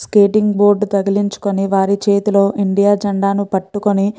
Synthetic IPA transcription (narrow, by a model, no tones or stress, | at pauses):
skeːʈiŋɡbo̞ːɾɖt̪ɐɡiliɲt͡ʃu̥koniʋaːɾit͡ʃe̞ːt̪ilo̞ːʔiɳɖijaːd͡ʒɐɳɖaːnupɐʈːukoni